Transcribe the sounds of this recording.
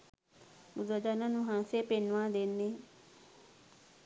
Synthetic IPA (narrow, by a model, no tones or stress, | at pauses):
bʊzəd͡ʒaːnãːnũːɦãːsepenʋãːd̪enːẽː